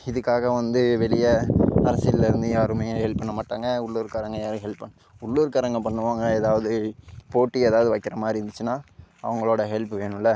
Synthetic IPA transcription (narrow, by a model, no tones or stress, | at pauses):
ɪðɯkːaːɣɐʋɐnd̪ɯʋɛɭɪjɐɐɾɐsɪɪlːɪɾɯnd̪ɯjaːɾɯmɐjɐ̃hɛɭpːɐɳːɐmaːʈːaːŋɡɐʊɭːʊːɾkɐɾɐŋɡɐjaːɾɯɦɛɭpːɐɳː | ʊɭːuːɾɯkɐɾɐŋɡɐpɐɳːɯʋaːŋɡɐeːðaːʋɐðɯpoːʈːieːðaːʋɐðɯʋɐɪkːɪɾɐmaːɪɾɪnd̪ɯt͡ʃːɯnaːɐʋɐŋɡɐɭoːɽɐɦɛɭpɯʋeːɳʊ̃lːɐ